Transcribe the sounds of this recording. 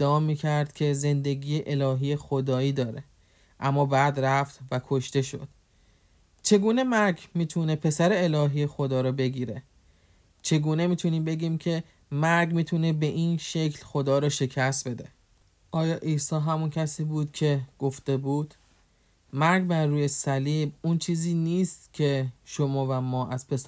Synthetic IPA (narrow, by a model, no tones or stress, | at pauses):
d̪̥ːeɒːmiːcʰæɾd̪̥cʲʰe̞ze̞nd̪e̞ɡiːjeʔelɒːɦiːjexod̪ɒːiːd̪ɒːɾe̞ | ʔæmːɒːbæːd̪ɾæft̪vækʰoʃt̪e̞ʃo̞̰d̪̥ | t͡ʃʰe̞ɡuːne̞mæɾɡmiːt̪ʰune̞pʰe̞sæɾe̞elɒːɦiːjexo̞d̪ɒːɾɒːbe̞ɡiːɾe | t͡ʃʰe̞ɡuːne̞miːt̪ʰuniːmbe̞ɡiːmcʰe̞ | mæɾɡmiːt̪ʰune̞be̞ʔinʃe̞cʰlxo̞d̪ɒːɾɒːʃe̞cʰæst̪̚be̞d̪e | ʔɒːjɒːʔiːsɒːɦæmuncʰæsiːbuːd̪cʰe̞ɡ̥oft̪e̞buːd̪̥ | mæɾɡbæɾːuːjesæliːbunt͡ʃʰiːziːniːst̪cʰe̞ʃomɒːvæmɒːʔæz̥pʰe̞s